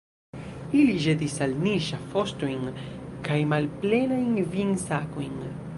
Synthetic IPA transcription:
iliʒed̪isalniʃafost̪ujnkajmalplenajnvinsakojn

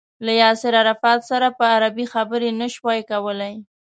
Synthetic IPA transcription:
lajɑsɪɾaɾafɑt̪saɾapəaɾabixabəɾenəʃwɑjkawəlaj

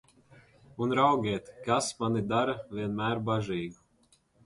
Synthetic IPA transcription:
unɾawɡʲɛːt̪kasmanid̪aɾavʲiɛnmæːɾbaʒiːɡu

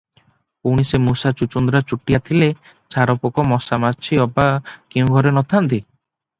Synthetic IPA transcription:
uɽ̃isemusat͡ʃut͡ʃund̪ɾat͡ʃuʈːijat̪ʰile | t͡ʃʰaɾɔpɔkɔmɔsamat͡ʃʰiɔbakiw̃ɡʱɔɾenɔt̪ʰant̪i

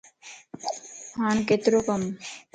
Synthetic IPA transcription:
haːnket̪ɾokɐm

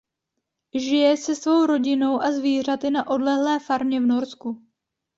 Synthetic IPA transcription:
ʒɪjɛsɛsvo̞wɾo̞ɟɪno̞wʔazviːr̝at̪ɪnaʔo̞dlɛɦlɛːfaɾmɲɛvno̞ɾsku

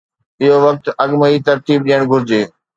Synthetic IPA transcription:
ɪɦoʋɐk̚t̪ɐɠməit̪ɐɾt̪iːb̚ɗijəɽ̃ɡʱʊɾɪd͡ʑeː

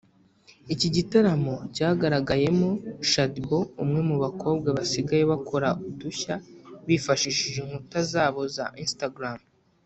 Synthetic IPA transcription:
iciɟitaɾamocaːɡaɾaɡaje̞mo̞ʃatbo̞umŋe̞muβakʰo̞ːbɡaβasiɡaje̞βakʰo̞ɾaʔuduçaβifaʃiʃiʒeŋhutazaːβo̞za̰ʔinstaɡɾam

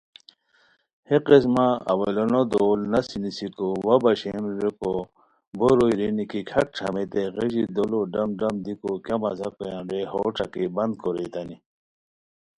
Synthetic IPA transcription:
heqes̬maɐ̰welonod̪oːlnɐsinisikowɐbɐɕemɾeko | boɾojɾinikikʰɐk̚ʈ͡ʂʰɐ̰met̪eɣeʑid̪oloɖɐmɖɐmd̪ikokjamɐzakojãɾeho̰ːʈ͡ʂʰa̰kibɐnd̪̚koɾejt̪ani

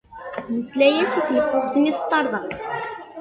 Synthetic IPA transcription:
məslæjæsiθnəfːʊʁθəniθət̪ˤːɑɾˤðˤɑ

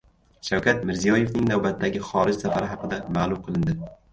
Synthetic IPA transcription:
ʃawkʲʰat̪mɪɾzijɒjevnɪŋnawbat̪ʰːaɡʲɪχɒɾɪd͡ʒsafaɾɪɦɑqɨd̪amaːlˠʊmqʰɨlˠɪnd̪ɪ

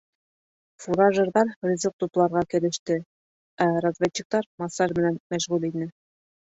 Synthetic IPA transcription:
fuɾɑʒɤ̆ɾðɑɾrʲizɤq̚t̪uplˠɑɾʁɑkɘ̆lɘ̆ʃt̪ɘ | æɾɑzvʲet͡ɕːik̚t̪ɑɾmɑsɑɾmɘ̆nænmæʃʁʉlinɘ

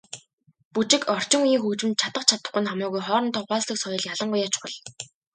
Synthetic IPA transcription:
put͡ɕɪ̆kɔr̥t͡ɕɪ̆ŋujiːŋxuːt͡ɕɘ̆nt̪̚t͡ɕʰat̪ə̆qt͡ɕʰat̪ə̆χʊ̆nχamiːɣujχɔːɾɞ̆nt̪ʰɔχaːsɮə̆ksɔjɞ̆ɮjaɮə̆ɴɢʊjat͡ɕ̆χə̆ɮ

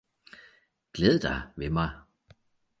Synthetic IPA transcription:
ɡ̥leːð̞ˠəd̥ɑɪʋemɑ̈ɪ

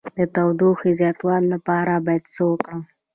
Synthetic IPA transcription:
d̪ət̪awd̪oxezjɑt̪wɑlːapɑɾabɑjad̪səwəkɽə

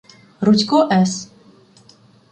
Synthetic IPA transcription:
ɾutʲkɔʔɛs

